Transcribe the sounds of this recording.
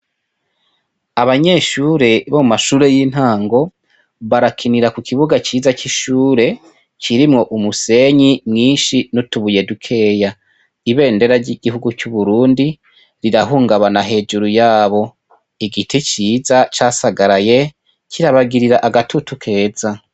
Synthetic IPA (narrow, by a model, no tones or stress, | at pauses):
aβaɲe̞ːʃuːɾe̞βomumaʃuːɾe̞jiːn̥haːŋɡo̞ | βaɾakʰiniɾakukʰiβuɡat͡ʃiːzat͡ʃiʃuːɾe̞ | t͡ʃiɾimŋo̞ʔumuse̞ɲimŋiːnʃinutuβuje̞dukʰe̞ja | iβe̞ːnde̞ɾaɾɟiɡ̥ihuɡut͡ʃuβuɾuːndi | ɾiɾaɦuːŋɡaβanaɦe̞ːd͡ʒuɾujaːβo̞ | iɡitʰit͡ʃiːzat͡ʃaːsaɡaɾaje̞ | cʰiɾaβaɡiɾiɾaʔaɡatʰutukʰe̞ːza